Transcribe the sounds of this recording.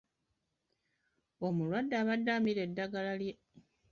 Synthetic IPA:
omulwadːaːβadːamiɾe̞dːaɡalalje

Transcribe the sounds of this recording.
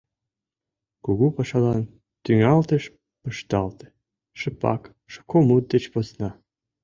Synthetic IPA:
kuɣupɑʃɑlɑn | t̪yŋɑlt̪əʃ | pə̆ʃt̪ɑlt̪e̥ | ʃəpɑ̰k | ʃə̥kʰomut̪̚d̪et͡ɕposnɑ

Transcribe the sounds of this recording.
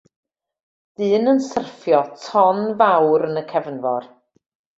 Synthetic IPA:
ð̥ɨːnənsərfjɔtʰɔnvawɾənəkʰɛvnvɔr

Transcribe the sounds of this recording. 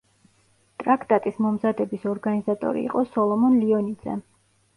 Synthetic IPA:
t̪ʼɾakʰt̪ʼat̪ʼismɔmzad̪ɛbisɔɾɡanizat̪ʼɔ̰ɾḭːqʼɔsɔlˠɔmɔnliɔnid̪z̥ɛ̰

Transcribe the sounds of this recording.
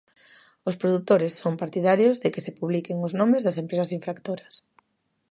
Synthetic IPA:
ospɾoðut̪oɾɪsːompaɾt̪iðaɾjozðekɪsepuβlikeŋoznomezðɐsempɾesɐsiɱfɾakt̪oɾɐs

